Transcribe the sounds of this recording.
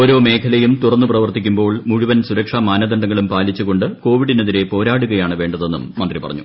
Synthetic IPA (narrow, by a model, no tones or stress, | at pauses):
oːɾo̞ːme̞ːkʰɐlɐjumt̪urɐnːuprɐʋɐrt̪ikʲːumbo̞ːɭmuɻuʋɐnsuɾɐkʂamaːnɐd̪ɐɳɖɐŋːɐɭumpaːlit͡ɕːuɣo̞ɳɖɨko̞ːʋiɽineðiɾe̞po̞ːɾaːɽuɣɐjaːɳɨʋe̞ːɳɖɐðe̞nːṵmːɐnd̪ripɐrɐ̰ɲːu